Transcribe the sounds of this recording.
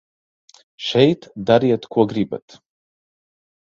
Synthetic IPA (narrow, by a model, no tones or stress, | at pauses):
ʃɛjt̪d̪aɾiɛt̪kʰuɔɡɾiba̰t̪